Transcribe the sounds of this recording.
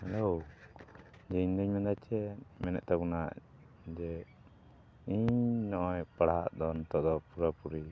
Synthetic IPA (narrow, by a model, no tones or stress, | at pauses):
hɛlow | d͡ʒɛiɲd̪ɔɲmɛnd̪at͡ʃɛmɛnɛ̰ʔt̪abunaʔ | d͡ʒɛ | iɲnɔʔɔjpaɽaa̰ʔd̪ɔnt̪ɔʔd̪ɔpuɾapuɾi